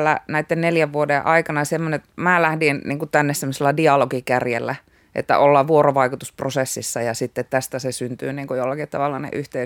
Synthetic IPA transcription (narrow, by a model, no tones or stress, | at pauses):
lːæ̰næit̪ːenneljæʋʋuodeʔɑikɑnɑsemːonet̪mæːlæhdinniːŋkut̪ænːessemːoselːædiɑloɡikærjelːæ | ʔḛt̪ːæ̰ʔolːɑʋuoroʋɑikut̪usprosesːisːɑjɑsit̪ːet̪t̪æst̪æsesynt̪yːniːŋkujolːɑkit̪t̪ɑʋɑlːɑnḛʔyht̪ei